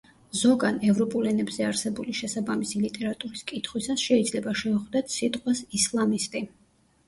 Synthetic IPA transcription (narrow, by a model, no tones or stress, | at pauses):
zɔɡanɛvɾɔpʼulɛnɛbz̥ɛaɾsɛbuliʃɛsabamisilit̪ʼɛɾat̪ʼuɾiskʼit̪ʰχwisasʃɛid̪zlɛbaʃɛuχd̪at̪ʰsit̪ʼqʼwasislˠamist̪ʼi